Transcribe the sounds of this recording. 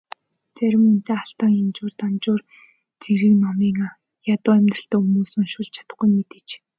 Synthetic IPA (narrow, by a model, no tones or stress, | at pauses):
t͡sæɾʲɪ̆mun̥t̪eːaɬt̪aːŋemt͡ɕʊːrt̪ant͡ɕʊːr | t͡seɾiːknɔmiːŋaː | jat̪ʊːæmʲt̪rə̆ɬt̪ɔːumuːsɵ̆ŋʃʊɮt͡ɕʰḁt̪ə̥̆χɡujmet̪ɘ̆t͡ɕ